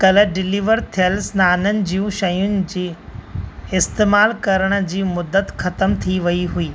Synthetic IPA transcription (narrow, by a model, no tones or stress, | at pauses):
kɐləɖɪliːʋəɾt̪ʰijəlsnaːnənɪ̆d͡ʑijũʃɐjʊnɪ̆d͡ʑiː | ɪst̪eːmaːlkɐɾəɽ̃̆d͡ʑiːmʊd̪ːət̪xɐt̪əmt̪ʰiʋɐiɦuiː